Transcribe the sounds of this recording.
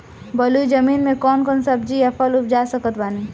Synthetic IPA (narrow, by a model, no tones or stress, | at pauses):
bɐluzd͡ʒɐmiːnmẽkɔːnkɔːnsɐb̚d͡ʒiɐpʰəlʊp̚d͡ʒaːsɐkət̪baːniː